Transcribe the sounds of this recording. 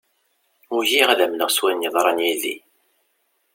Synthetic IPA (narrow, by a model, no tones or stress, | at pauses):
ʊɾʝiʁðæmnəʁswænjəðˤɾˤɑnjilːḭ